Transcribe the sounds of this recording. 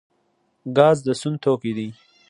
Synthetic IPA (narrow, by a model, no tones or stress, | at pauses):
ɡɑːzd̪əsʊnt̪ʰoːkid̪i